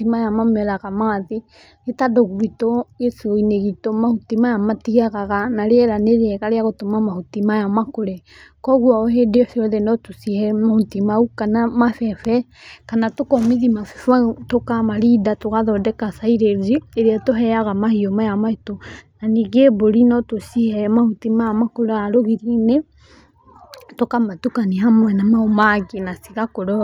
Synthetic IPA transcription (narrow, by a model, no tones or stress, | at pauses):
imajamamɛɾaɣamaːðe | etadoɣuɾitɔesoineɣitomahutimajamatiaɣaɣanaɾeɛɾaneɾɛɣaɾeaɣotomamahutimajamakoɾe | kɔɣwaɔɦedeɔsiɔðenɔtusihɛmahutimaukanamafɛfɛkanatokɔmiðimafɛfatokamaɾidatoɣaðɔdɛkasaiɾed͡ʒieɾeatoɦɛaɣamahiɔmajamaetonaniɡeboɾinɔtosihɛmahutimajamakoɾɔaɾoɣiɾinɛ | tokamatukaniɦamwɛnamaomaɣenasiɣakoɾɔ